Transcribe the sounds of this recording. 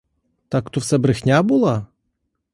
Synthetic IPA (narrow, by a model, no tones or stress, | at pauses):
t̪akːt̪ɔfsɛbɾɪxnʲabulˠa